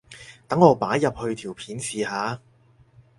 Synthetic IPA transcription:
t̪ɐ˨˥ŋːɔː˨˧paː˨˥jːɐ˨p̚hɵ˧ɥt̪ʰiː˨˩wpʰiː˨˥nsiː˨haː˨˧

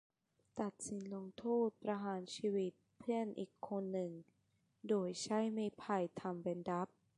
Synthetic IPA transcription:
t̪a˨˩t̪̚si˨˦nlo˧ŋt̪ʰuː˥˩t̪̚pɾa˧ɦaː˩˦nt͡ɕʰiː˧wi˦˥t̪̚pʰɯ˥˩ənʔiː˨˩kʰːo˧nːɯ˨˩ŋ | doː˧jt͡ɕʰa˦˥˩jmiː˧pʰa˧jt̪ʰa˧mbɛ˧nda˦˥p̚

